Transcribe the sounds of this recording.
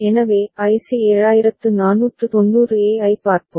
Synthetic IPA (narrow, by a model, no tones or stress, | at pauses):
ɛnɐʋeːʔɐɪsieːɻaːjɪɾɐt̪ːɯnaːnuːʈrɯt̪ɔnːuːɾɯeːɐɪpaːɾpom